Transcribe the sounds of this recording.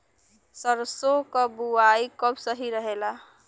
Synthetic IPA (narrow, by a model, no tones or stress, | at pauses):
səɾsokəbuaikəbsəɦiɾəɦela